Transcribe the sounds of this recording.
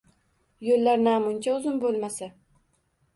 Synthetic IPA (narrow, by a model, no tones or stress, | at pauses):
jolːaɾnaːmʊnt͡ʃʰaʊzɪmbolˠmasa